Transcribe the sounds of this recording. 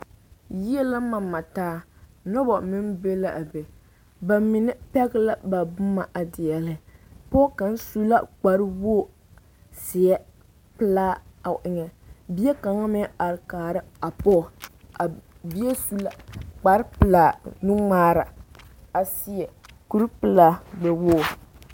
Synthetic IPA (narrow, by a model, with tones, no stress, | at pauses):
ji˦ɛ˦la˦ma˨˦ma˨taː˦nɔ˦bɔ˨mɪ˦n˦be˦la˨ʔa˨be˨ | ba˨mɪ˨nɛ˦pɛ˦ɡɪ˦la˦ba˨bʊ˦ma˨ʔa˨dɪ˨jɛ˨lɪ˦pɔ˦ka˨n˦su˦la˦k͡pa˨ɾwo˦˨ | sɪ˨ɛ˦ | pɨ˦laː˦a˨ʔɪ˨ɲɛ˨bi˦ɛ˦ka˨ŋa˦mɛ˦a˨ɾɪ˨kaː˨ɾɨ˦a˨pɔ˦˨a˨ | bi˦ɛ˦su˦la˦k͡pa˨ɾɪ˦pɨ˨laː˨nu˦ŋ͡maː˦ɾa˨ | a˨si˦ɛ˨ku˦ɾpɨ˦laː˦ɡ͡bɛ˨woː˦˨